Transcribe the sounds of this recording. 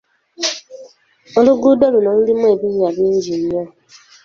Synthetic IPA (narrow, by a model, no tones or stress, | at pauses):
oɾʊɡudoɾunon̩dɪmebiɲabin̩d͡ʒiɲɲɔ